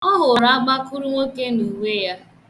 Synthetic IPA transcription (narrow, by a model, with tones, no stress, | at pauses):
ɔ˦ɦʊ˨ɾa˨˦a˦ɡ͡ba˦kʊ˦ɾʊ˦ŋʷo˦ke˦nu˨we˦ja˦